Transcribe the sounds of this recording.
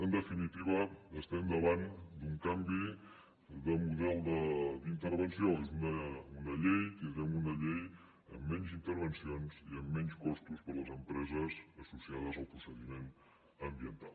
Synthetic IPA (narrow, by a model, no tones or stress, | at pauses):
ənd̪əfinit̪iβ̞əːst̪ɛmd̪əβand̪uŋkambi | nd̪əmuðɛlˠd̪əd̪int̪əɾβənsioezunəunəʎejt̪ind̪ɾɛmunəʎej | ə̰mːɛnzint̪əɾβənsionziəmːɛnskɔst̪uspəɾləzəmpɾɛzəzəsusiað̞əzəlˠpɾusəðimen | əmbiənt̪alˠ